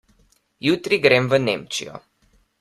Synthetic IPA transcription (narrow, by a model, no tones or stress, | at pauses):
jut̪ɾiɡɾemvənḛmt͡ʃḭo̰